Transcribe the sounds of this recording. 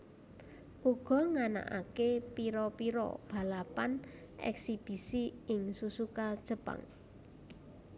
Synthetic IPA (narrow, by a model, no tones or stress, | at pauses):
ʔuɡ̥ɔ̤ŋana̰ʔa̰kepiɾɔpiɾɔ̰b̥a̤lapan | ʔɛ̰ksib̥i̤siɪŋsusukad̥ʒ̥ə̤pa̰ŋ